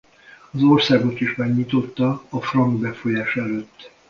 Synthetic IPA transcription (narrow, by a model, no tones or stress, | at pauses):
ɒzo̞rsaːɡot̪iʃmɛɡɲit̪o̞t̪ːɒːfrɒŋɡbɛfo̞jaːʃɛløt̪ː